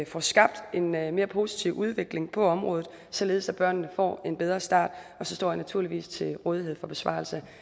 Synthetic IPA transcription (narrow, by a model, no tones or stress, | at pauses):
fɒsɡ̥ɑ̈b̥̚d̥e̝nme̝ːɐpʰo̝ːsi̥t͡sʰiʊʔuðˠʋe̝ɡ̥le̝ŋpʰɒ̽ɒ̽mʁɔ̽ːð̩ˠ | sɒ̽le̝ːð̞̩ˠsæb̥ɶɐ̰nnəfɒ̰ːe̝nb̥eð̞ˠʁɐsd̥ɑ̰̈ːd̥ɒ̽sɒ̽sd̥ɒ̰ːhænæt͡sʰuɐ̰liʋḭːst͡sʰe̝lʁɔ̽ːð̞ˠiɦe̝ð̰ˠfɒ̽b̥e̝sʋɑ̰̈ːl̩sə